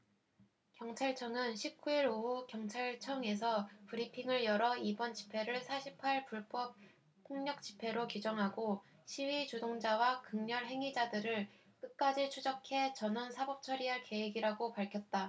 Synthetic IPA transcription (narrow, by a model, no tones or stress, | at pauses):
kjʌŋt͡ɕʰaɭt͡ɕʰʌŋɯnɕʰip̚k͈uiɾoɦukjʌŋt͡ɕʰaɭt͡ɕʰʌŋe̞s̬ʰʌpɯɾipʰiŋɯɭjʌɾʌibʌnt͡ɕi̥pʰe̞ɾɯɭsʰaɕʰipʰaɭpuɭp͈ʌp̚ | pʰoŋɲʌk̚t͡ɕ͈i̥pʰe̞ɾokid͡ʑʌŋɦaɡo | ɕʰiwit͡ɕodoŋd͡ʑawakɯŋɲʌɭɦe̞ŋid͡ʑadɯɾɯɭ | k͈ɯk̚k͈ad͡ʑit͡ɕʰud͡ʑʌkʰe̞t͡ɕʌnɯnsʰabʌp̚t͡ɕʰʌɾiɦaɭke̞weɡiɾaɡopaɭkʰjʌt̚t͈a